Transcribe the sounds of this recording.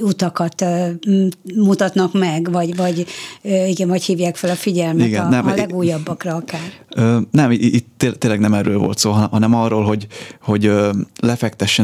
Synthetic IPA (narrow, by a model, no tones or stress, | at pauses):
ut̪ɒkɒt̪ː | mut̪ɒt̪nɒkmɛɡvɒɟvɒɟøːiɡɛɱvɒchiːvjaːkfɛlɒfiɟɛlmiɡnnɛmlɛɡuːjːɒbːɒkrɒɒkaːrøːnɛmit̪ːet̪eːlɛɡnɛmɛrːøːlvo̰lt̪soːɦɒɦɒnɛmɒroːlɦo̞ɟho̞ɟølɛfɛk̚t̪ɛʃːɛ